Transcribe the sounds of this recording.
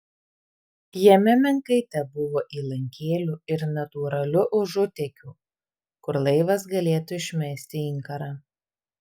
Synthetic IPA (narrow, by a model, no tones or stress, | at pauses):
jɛmʲɛmʲɛŋkɐɪt̪ʲɛbʊʋoːʔiːlˠɐŋʲkʲʰeːlʲuːɪɾnɐt̪uːɾɐlʲʊʔʊʒʊt̪ʲɛkʲuː | kʊɾlˠɐɪʋɐsɡɐlʲeːt̪ʊɪʃʲmʲɛsʲt̪ʲɪɪŋkɐɾɑː